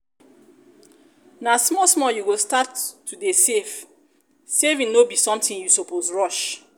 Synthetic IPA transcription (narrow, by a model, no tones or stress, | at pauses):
nasmɔsmɔjuwostatʰːudesef | sevĩŋnobisɔ̃mtĩŋjusopʰosɹɔʃ